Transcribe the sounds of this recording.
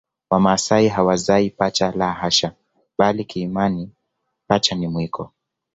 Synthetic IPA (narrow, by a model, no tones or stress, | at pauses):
wamasaiɦawazaipat͡ʃalaɦaʃa | ɓalikiːmani | pat͡ʃanimwikʰɔ̰